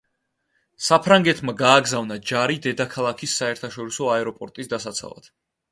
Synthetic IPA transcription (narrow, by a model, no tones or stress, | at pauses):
sapʰɾaŋɡɛt̪ʰmaɡaːɡzavnad͡ʒaɾid̪ɛd̪akʰalˠakʰisːaɛɾt̪ʰaʃɔɾisɔaɛɾɔpʼɔɾt̪ʼisd̪asat̪sʰa̰lˠa̰d̪̥